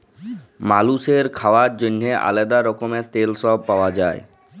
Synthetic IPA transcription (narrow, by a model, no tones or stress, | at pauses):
maluseɾkʰawad͡ʑonːeʔa̰led̪aɾɔkomet̪elsɔb̚pawad͡ʑae